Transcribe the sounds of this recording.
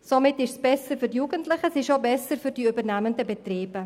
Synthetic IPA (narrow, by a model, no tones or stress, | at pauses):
somɪtɪʃsb̥ɛsəɾfydjuːɡəntlɪχəsɪʃobɛsəɾfyɾdiybəʁnæməndəbetriːbə